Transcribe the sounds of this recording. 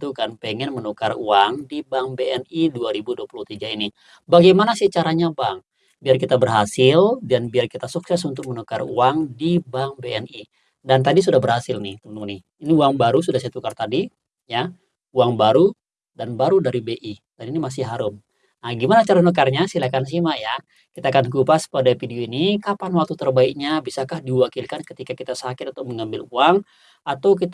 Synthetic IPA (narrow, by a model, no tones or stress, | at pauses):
t̪ukanpɛŋɛnmənokaruaŋdibaŋbeɛniduaɾibuduapuluht̪iɡaini | baɡajmanasit͡ʃaɾaɲabaŋ | biarkit̪abərɦasɪldanbiarkit̪asuksɛsunt̪ʊk̚mənokarṵaŋdibaŋbeɛni | dant̪adis̬udahbərhasɪlnɪht̪əənuŋnɪ | iniuaŋbaɾusudahset̪ukart̪adi | ja | uaŋbaɾu | danbaɾudaɾibeʔi | daninimas̬ɪɦaɾʊm | naɡimanat͡ʃaɾanokarɲasilakans̬imaja | kit̪aːkankupaspadafidioinikapanwak̚t̪ut̪ərbaik̚ɲabisakahdiwakilkankət̪ikakit̪asakɪt̪̚unt̪̚ːməŋambɪluaŋ | at̪awk̬it̪